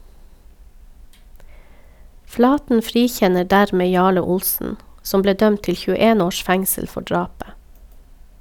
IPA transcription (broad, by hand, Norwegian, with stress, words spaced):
ˈflɑːtn̩ ˈfɾiːˌçɛnə ˈɖæɾˌmeː ˈjɑːɭə ˈʊlsn̩ ˈsɔm ˈbleː ˈdœmt ˈtɪl çʉˈeːn ˈoːʃ ˈfɛŋsəl ˈfɔ ˈɖɹɑːpə